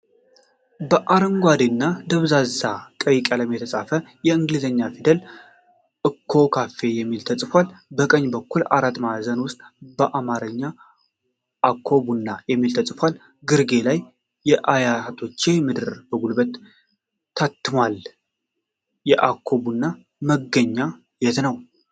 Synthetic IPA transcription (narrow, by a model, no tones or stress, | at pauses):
bəʔaɾəŋɡʷad̪enːad̪əβzazakʼəjkʼələmjɛt̪ʰəsʼafəjɛɨŋɡlɨzəɲːafid̪əl | ʔɨkʰːo̞kʰafe̞jɛmːilt̪ʰəsʼfʷalbəkʼəɲːbəkːula̰ɾat̪ːmazənwʊst̪ʼbəʔamaɾəɲːa | ʔakʰːo̞bunːajɛmːilt̪ʰəsʼfʷal | ɡɨɾɡe̞lajː | ɛʔajat̪ʰo̞t͡ʃːemɨd̪ɨɾb̥əɡulbət̪ʰː | at̪ːɨmal | jɛʔakʰːo̞bunːa | məɡːəɲːa | jɛt̪nəw